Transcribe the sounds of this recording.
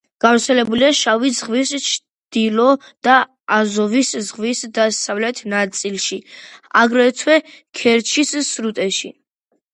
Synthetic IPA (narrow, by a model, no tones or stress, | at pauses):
ɡ̥avɾt̪sʰɛlɛbuliaʃavizʁvist͡ʃʰ | d̪̥ilɔ | d̪̥a | azɔviszʁvisd̪asavlɛt̪ʰnat̪sʼilˠʃia̰ɡɾɛt̪ʰwɛkʰɛɾt͡ʃʰissɾut̪ʼɛʃi